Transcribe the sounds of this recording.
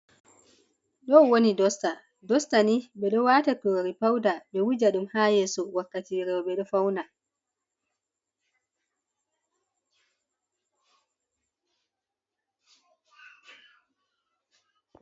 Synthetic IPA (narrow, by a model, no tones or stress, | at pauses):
ɗɔwonidɔsta | dɔstaniɓɛɗɔwaːtakuɾɾipawdaɓɛwud͡ʒaɗumhajɛːsɔwakːatiɾɛwɔɓɛɗɔfawna